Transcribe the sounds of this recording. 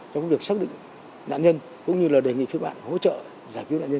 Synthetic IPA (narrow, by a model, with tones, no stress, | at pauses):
t͡ɕɔ˧kːvi˨˩ək̚saː˦˥k̚ɗḭ̈˧˨ŋ | na̰ː˧˨nɲə˧n | kʊ̰˧˥ŋ͡mɲɨ˧laː˨˩ɗe˨˩ŋḭ˧˨fi˧əɓa̰ː˧˨nho̰˧˥t͡ɕə̰ː˧˨ | zaː˧˩jki˨˦wnaː˧˨ɲə˧